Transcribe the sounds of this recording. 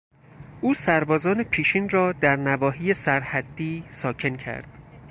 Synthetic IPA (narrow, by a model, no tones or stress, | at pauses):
ʔuːsæɾbɒːzɒːne̞pʰiːʃiːnrɒːd̪æɾnævɒːɦiːjesæɾhæd̪ːiːsɒːcʰe̞ncʰæ̰ɾd̪̥